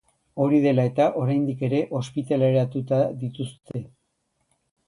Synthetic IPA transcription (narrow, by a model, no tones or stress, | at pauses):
o̞ɾiðe̞lae̞t̪aʔo̞ɾajnd̪ike̞ɾe̞ʔo̞spit̪ale̞ɾat̪ut̪aðit̪ust̪e̞